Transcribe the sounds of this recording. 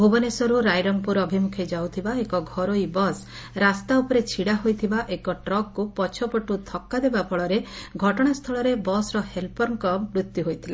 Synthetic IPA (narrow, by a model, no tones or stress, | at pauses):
bʱobɔnesɔɾuɾajɾɔmpuɾɔbʱimukʰid͡ʒawt̪ʰibaekɔɡʱɔɾojbɔs | ɾast̪aupɔɾet͡ʃʰiɽaɦojt̪ʰibaʔekɔʈɾɔɡ̚kupɔt͡ʃʰɔpɔʈut̪ʰɔkːad̪ebapʰɔɭɔɾeɡʱɔʈɔɽ̃ast̪ʰɔɭɔɾebɔsɾɔhelpɔɾŋkɔbɾut̪ːjuɦojt̪ʰile